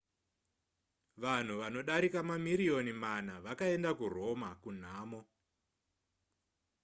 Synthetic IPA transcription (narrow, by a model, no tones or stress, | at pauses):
ʋan̤uʋano̞ɗaɾikamamiɾio̞niman̤aʋakae̞ndakuro̞makun̤aːmo